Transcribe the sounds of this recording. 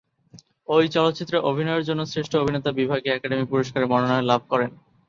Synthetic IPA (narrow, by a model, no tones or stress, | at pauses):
ojt͡ɕɔlot̪ːɕit̪ːɾeʔobʱinɔeɾd͡ʑonːosɾeʃʈʰoobʱinet̪abibʱaɡeɛkaɖemipuɾoʃkaɾeɾmɔnonɔelabʱkɔɾen